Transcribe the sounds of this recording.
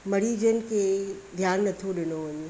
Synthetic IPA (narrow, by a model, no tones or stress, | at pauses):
mɐɽiːd͡ʑənɪ̆kʰed̪ʱjaːnːɐt̪ʰoɗɪnoɦʊɲu